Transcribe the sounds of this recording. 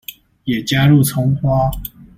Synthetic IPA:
jɛ˨˩t͡ɕja˦ɻu˥˨t͡sʰʊ˥ŋxwa˥

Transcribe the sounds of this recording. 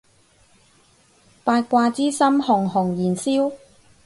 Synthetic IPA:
paː˧t̚kʷaː˧t͡siː˥sɐ˥mhʊ˨˩ŋɦʊ˨˩ŋjiː˨˩nsiː˥w

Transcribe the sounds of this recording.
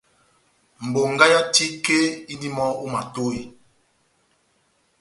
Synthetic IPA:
m̩˨bo˨ŋɡa˦ja˦ti˦ke˦i˦di˦mɔ˦o˦ma˨to˦i˨

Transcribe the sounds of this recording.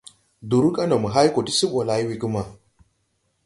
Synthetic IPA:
du˨ɾu˦ka˦na˨mə˨ɦa˦jko˨ti˦si˦ɓo˨la˨ji˦wi˨ku˦ma˨

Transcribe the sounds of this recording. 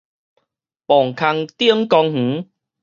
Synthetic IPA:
pɔ˨˩ŋkʰa˧ŋt̪i˦˨ə˦mkɔ˧ŋh̩˨˦

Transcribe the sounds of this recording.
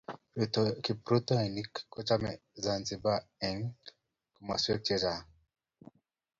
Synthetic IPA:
tki˨pɾu˦t̪ɔ˦ɛ˨ni˦kːɔ˦t͡ʃa˦mɛ̰˨ | za˨nzi˨ba˦ɛ˨ŋ | ku˨ma̰˨swɛ˦k̚t͡ʃɛ˦za˨

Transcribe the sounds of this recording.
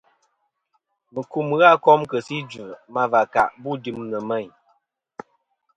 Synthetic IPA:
mə˨ku˦˨m˨ɣa˦kɔ˦mkə˨si˦d͡ʒʉ˨ma˦va˨ka̰˨ʔbu˦˨di˦mnə˨mɛ˦˨ɲ

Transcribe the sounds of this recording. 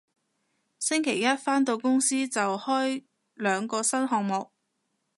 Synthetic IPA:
sɪ˥ŋkʰe˨˩jɐ˥t̚faː˥nt̪o˧wkʊ˥ŋsiː˥t͡sɐ˨whɔː˥j | lœː˨˧ŋkɔː˧sɐ˥nɦɔː˨k̚mo˨k̚

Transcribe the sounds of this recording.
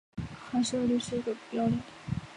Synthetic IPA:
xa˧˥ɪʂɻ̩˥˧˥ʊly˥˩ʂɻ̩˥˩i˧˥ɡə˧pjɑ˥ʊli˥˩

